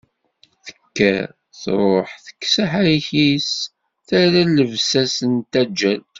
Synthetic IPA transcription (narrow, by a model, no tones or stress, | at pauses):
θə̥kːæ̰ | θɾˤoħθə̥kːsaħæjçis | θæɾæləvsæsənt̪æd͡ʒːæl